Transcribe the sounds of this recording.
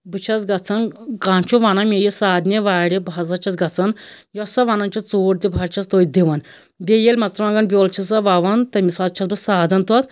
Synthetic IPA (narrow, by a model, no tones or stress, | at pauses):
bɨt͡ʃʰɐsɡɐt͡sʰɐnkãːnt͡ʃʰuʋaːnɐmʲejisaːd̪nʲeʋaːɽibɐzɐt͡ʃʰɐsɡɐt͡sʰɐnjɔsɐʋaːnɐnt͡ʃʰut͡soːʈd̪ibʱɐɾt͡ʃʰɐst̪oːjd̪iʋɐn | bʲejelʲmɐt͡st̪ɾʋaŋɡɐnbʲjoːlt͡ʃʰis̬ɐʋaʋɐnt̪ɐmʲisalt͡ʃʰɐsbɨsaːd̪ɐnt̪ɔt̪